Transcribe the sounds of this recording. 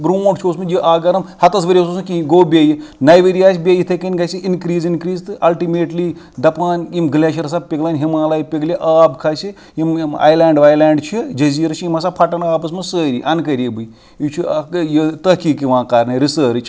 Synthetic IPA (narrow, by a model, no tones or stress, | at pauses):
bɾuːʈt͡ʃʰoːsmɨjiʔaːɡɐɾɐmhɐt̪ɐs̬ʋɐɾʲiɐs̬oːsɨnkiɡoːbʲeːjinɐjʋəɾijaːsʲbʲejit̪ʰɐkɐnʲɡɐsiinkɾiːzinkɾiːzt̪ɨʔɐlʈimeːʈli | d̪ɐpaːnimɡɨlʲaːʃiɾɐs̬aːb̚pʲiɡlaːnʲɦimaːlaːjipʲiɡlʲiʔaːbkʰaːsi | jima̰ːjlãːɳɖʋaːjlaːɳɖt͡ʃʰid͡ʒɐziːɾt͡ʃʰiimɐsaːpʰɐʈɐnaːbɐs̬mɨsəːɾʲḭʔɐnkɐɾʲibɨj | it͡ʃʰijit̪ɐkiːkiʋãːkaɾnɐɾisəːɾt͡ʃʰ